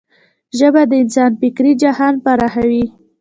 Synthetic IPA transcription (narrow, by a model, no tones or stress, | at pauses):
ʒəbad̪əɪnsɑnpɪkɾid͡ʒahɑnpaɾahawi